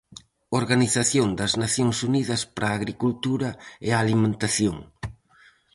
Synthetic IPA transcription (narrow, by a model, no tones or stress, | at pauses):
oɾɣaniθaθjoŋd̪ɐznaθjoŋsuniðɐspaɾaːɣɾikult̪uɾɐɪalimẽnt̪aθjoŋ